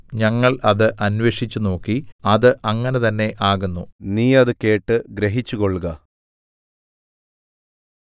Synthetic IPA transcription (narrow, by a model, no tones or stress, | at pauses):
ɲɐŋːɐɭɐðɨʔɐnʋeːʂit͡ɕːuno̞ːkːiɐðɨʔɐŋːɐnet̪ɐnːe̞ʔaːɣunːuniːɐðɨke̞ːʈːɨɡɾeɦit͡ɕːukoɭːɣɐ